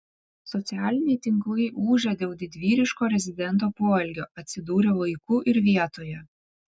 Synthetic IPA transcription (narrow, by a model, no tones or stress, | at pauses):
sɔt̪sʲɪæːlʲɪnʲɛɪt̪ʲɪŋklˠɐɪʔuːʒʲɛd̪ʲeːʊlˠd̪ʲɪd̪ʲʋʲiːɾʲɪʃkoːɾʲɛzʲɪd̪ʲɛnˑt̪̬oːpoːɛlʲɡʲoːɐt̪ʲsʲɪd̪uːɾʲeʋɐɪkuːʔɪɾʋʲiɛt̪oːjɛ